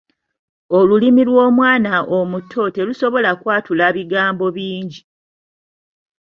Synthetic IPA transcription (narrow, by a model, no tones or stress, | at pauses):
o̞lulimilwo̞ːmwaːnaʔomutʰːo̞te̞luso̞βo̞lakwaːtulaβiɡaːmbo̞βiːɲɟi